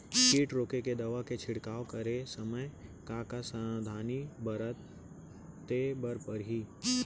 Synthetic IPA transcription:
kiːʈɾoːkeked̪ɐʋaket͡ʃʰɪɽkaːokɐɾesɐməjkãːkasəd̪ʱaːnibɐɾət̪ː | ebɐɾpɐɾɦiː

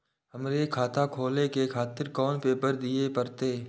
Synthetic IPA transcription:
ɦɐmɾekʰaːt̪ʰakʰoːlekekʰaːt̪ɪɾkɔːnpeːpəɾd̪iepɐɾt̪eː

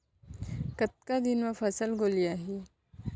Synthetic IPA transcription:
kət̪̚kad̪inmãfɐsəlɡolijaɦi

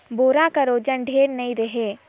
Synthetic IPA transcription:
boːɾakaɾoːd͡ʒənɖʱeːɾnɐĩɾəɦeː

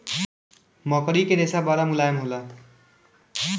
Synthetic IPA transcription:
mʌkʌɾiked̪esabaɾamulajmɦula

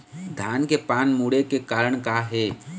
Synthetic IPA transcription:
d̪ʱaːnkepaːnmuːɽekekaːɾəɽ̃kaɦɛː

